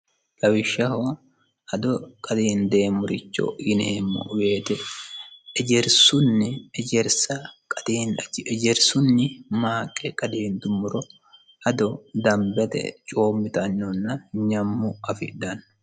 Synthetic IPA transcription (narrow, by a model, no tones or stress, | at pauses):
lɐwɪʃːɐho | ʔɐd̪ɔkʼɐd̪iːnd̪eːmːʊɾɪt͡ʃːo̰ɪnemːɔ̰ʔʊwe̞ːt̪ɛː | d͡ʒɛɾsʊnːɪɛd͡ʒɛɾsɐkʼɐd̪̥iːnɐɛd͡ʒɛɾsʊnːɪmaːkʼːɛkʼɐd̪iːnd̪ʊmːʊɾɔ | ʔɐd̪ɔd̪ɐmbɛt̪ɛ̰t͡ʃʼo̞ːmːɪt̪ɐɲːɔnːɐɲɐmːʊɐfɪ̰d̪ɐn